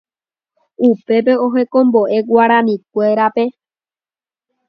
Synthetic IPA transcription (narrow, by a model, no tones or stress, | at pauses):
upe̞pe̞o̞ɦe̞kõ̞mbo̞ʔe̞ɡʷaɾãnĩk̚ʷe̞ɾape̞